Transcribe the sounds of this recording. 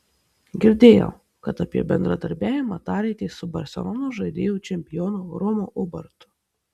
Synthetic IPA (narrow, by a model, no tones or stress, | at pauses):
ɡʲɪɾʲd̪ʲeːjɛ̰ʊ | kɐt̪ɑpʲiɛbʲɛnd̪ɾɐd̪ɐɾʲbʲæːʋʲɪmɑːt̪ɑːɾʲɛɪt̪ʲeːsʊbɐɾʲsʲɛ̰lˠɔːnoːʒɐɪd̪ʲeːjuːt͡ʃʲɛmʲpʲɪjɔːnoːɾɔmoːʔʊbɐ̰ɾt̪ʊ̥